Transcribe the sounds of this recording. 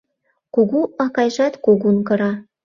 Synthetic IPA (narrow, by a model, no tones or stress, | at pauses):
kuɣuʔɑkɑjʒɑt̪kuɡunkɤ̆ɾɑ